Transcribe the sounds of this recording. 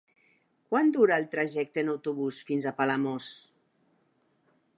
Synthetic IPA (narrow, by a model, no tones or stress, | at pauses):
kwand̪uɾaːlˠt̪ɾaʒɛk̚t̪əenawt̪uβusfinzapalamos